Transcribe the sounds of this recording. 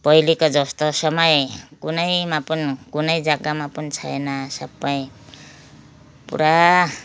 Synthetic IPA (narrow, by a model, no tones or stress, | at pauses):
pʌjlikod͡zʌst̪osʌmʌjkunʌjmapʌnikunʌjd͡zaɡamapʌnit͡sʰʌjenasʌbːʌj̃ | pṵɾa